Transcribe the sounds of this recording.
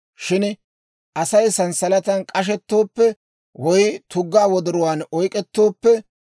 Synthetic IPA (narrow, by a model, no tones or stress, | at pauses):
ʃɪn | ʔɐsɐjsɐnsɐlɐt̪ɐnkʼɐʃ̬ɛt̪ːo̞ːpːɛ | wɔjt̪ʊɡːaːwɔd̪ɔɾɔwaːnɔjkʼɛt̪ːo̞ːpːɛ